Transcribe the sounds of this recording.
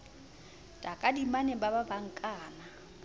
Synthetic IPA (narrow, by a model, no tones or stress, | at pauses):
tʼakʼadimanebababaŋ̩kʼaːna